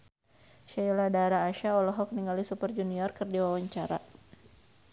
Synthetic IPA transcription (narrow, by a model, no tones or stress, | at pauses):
ʃailadaɾaːʃaɔlɔɦɔk̚niŋɡalisupərd͡ʒuniɔrkɨrdiwawaɲt͡ʃaɾa̰